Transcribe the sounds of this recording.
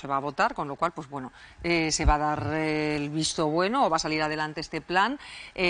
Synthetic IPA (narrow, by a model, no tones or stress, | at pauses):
se̞β̞aːβ̞o̞t̪aɾko̞nlo̞kwalpwe̞zβwe̞noese̞βað̞aɾlβist̪o̞βwe̞no̞ːβasaliɾað̞e̞lant̪eest̪e̞plane